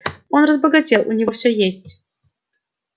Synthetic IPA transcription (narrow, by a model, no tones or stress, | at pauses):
onrəzbəɡɐtʲelˠunʲɪvofsʲøjesʲtʲ